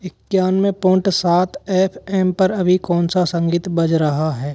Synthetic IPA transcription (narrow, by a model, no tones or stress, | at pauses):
ɪkjaːnmẽpõːɳʈsaːt̪ɛːpʰɛːmpɐɾɐbʱikɔːnsasɐ̃ŋɡiːt̪bɐd͡ʒɾɐɦaɦɛː